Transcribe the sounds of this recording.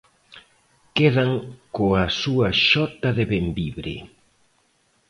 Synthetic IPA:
keðɐŋkoɐsuɐʃɔt̪ɐðeβembiβɾɪ̰

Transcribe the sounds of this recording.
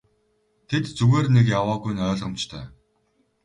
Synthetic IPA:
t̪ʰet̪t͡suɣeːrnekjawaːɣujnœːɮʁə̆mt͡ɕt̪ʰœ̰ː

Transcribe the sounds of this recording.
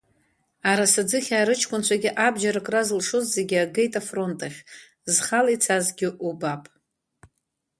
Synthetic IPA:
aɾasad͡zɨχʲaːɾɨt͡ʃʰkʷʼʊnt͡ʃʷʰaɡʲɪʔabd͡ʒaɾakʼrazlʂozze̞ɡʲɪaɡejtʼafro̞ntʼaχʲ | zχalit͡sʰazɡʲɪʔubapʼ

